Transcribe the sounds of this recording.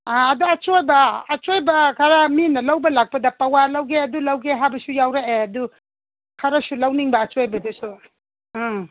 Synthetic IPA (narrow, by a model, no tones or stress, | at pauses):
aɐduɐt͡ʃojbɐːt͡ʃojbɐkʰɐɾaminɐlɐwbɐlak̚pɐdɐpɐwalɐwɡeɐdulɐwɡeɦajbɐsujawɾeeɐdu | kʰɐɾɐsulɐwniŋbɐːt͡ʃojbɐdusu